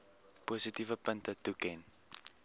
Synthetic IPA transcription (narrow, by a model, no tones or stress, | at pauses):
puːsitivəpəntətukɛn